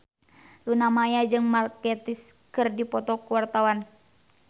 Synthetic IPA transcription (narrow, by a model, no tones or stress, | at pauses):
lunamajad͡ʒɨŋmarkɛt̪iskɨrdipɔt̪ɔkuwart̪awan